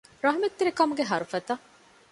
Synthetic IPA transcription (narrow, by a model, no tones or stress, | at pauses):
ɾɐɦmɐt̪ːeɾekɐmuɡeɦɐɾufɐt̪ɐ